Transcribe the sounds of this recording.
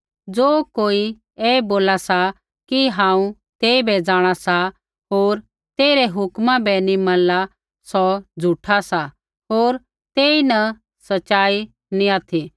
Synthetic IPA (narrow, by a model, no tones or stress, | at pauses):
d͡zoːkoːi | eːboːlasa | kiɦãːũ | t̪eːibɛd͡zaːɽ̃asa | ɦoːɾ | t̪eːɾɛɦʊkmãbɛnimɐ̃nla | sɔd͡zʱuʈʰasa | ɦoːɾ | t̪eːinɐ | sɐt͡ʃaːi | nĩaːt̪ʰi